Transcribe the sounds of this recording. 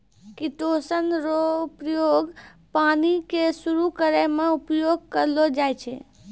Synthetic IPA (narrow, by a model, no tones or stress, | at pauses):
kiʈosənɾopɾjoɡ | panikesuɾukəɾemeupjoɡ̚kəɾlod͡ʒajt͡ʃʰɛ̰